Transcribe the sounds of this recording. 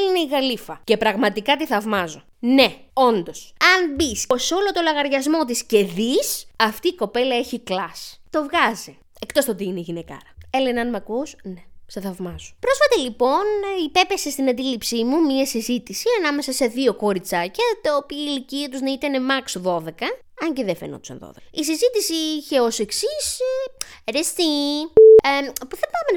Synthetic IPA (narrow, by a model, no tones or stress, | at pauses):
eleneiɣɐlifɐce̞pɾɐɣmɐt̪ikɐt̪iθɐvmɐzo | ne̞o̞nd̪o̞sɐnbisoso̞lo̞t̪o̞lɐɣɐɾʝɐzmo̞t̪̬isce̞ðisɐft̪iːko̞pe̞lɐe̞çiklɐst̪o̞vɣɐzi | e̞kt̪o̞st̪ot̪ineʝinekɐ̰ɾɐe̞lenɐnmɐkusne̞seθɐvmɐzo̥pɾo̞sfɐt̪ɐlipo̞nipe̞pesest̪inɐnd̪ilipsimumiɐsizit̪isiɐnɐme̞sɐse̞ðio̞ko̞ɾit͡sɐcɐt̪ɐopiɐiliciɐt̪uznɐit̪ɐne̞mɐksoðo̞ðe̞kɐ | ɐɲceðefeno̰t̪u̥sɐ̰nðo̰ðeis̬izit̪isiiçe̞o̞se̞ksis | ɾest̪i | puθɐpɐmen